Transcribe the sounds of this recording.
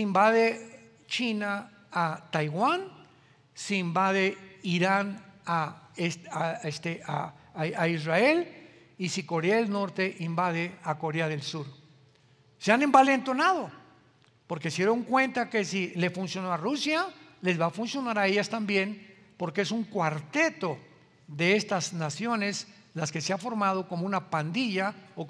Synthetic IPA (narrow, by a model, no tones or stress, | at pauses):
simbaðe̞ | t͡ʃinaː | t̪ajɣwan | siimbað̞e̞iɾanaesaest̪eaaizrael | isiko̞ɾeaðelno̞ɾt̪e̞ʔimbaðe̞ako̞ɾeaðe̞lsuɾ | seane̞mbale̞nt̪o̞nað̞o̞ | po̞ɾke̞sje̞ɾo̞ŋkwe̞nt̪ake̞sile̞funsjo̞noarusjale̞zβafunsjo̞naɾae̞ʝast̪ambje̞n | po̞ɾkeesuŋkwaɾt̪e̞t̪o̞ | ðe̞est̪aznasjo̞ne̞s | laske̞seafo̞ɾmað̞o̞ko̞mounapand̪iʝao